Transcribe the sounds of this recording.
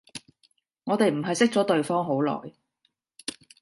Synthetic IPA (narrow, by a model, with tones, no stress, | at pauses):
ŋɔː˨˧t̪e˨jm̩˨˩ɦɐ˨jsɪ˥k̚t͡sɔː˨˥t̪ɵ˨ɥfɔː˥ŋɦo˨˥wlɔ̰ː˨˩j